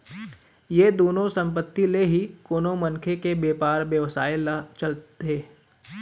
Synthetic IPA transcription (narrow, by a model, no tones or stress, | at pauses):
jed̪oːnõsɐ̃mp̬ət̪ːileɦikoːnomɐnkʰekebeːpaːɾbjəʋsaːelt͡ʃɐlt̪eː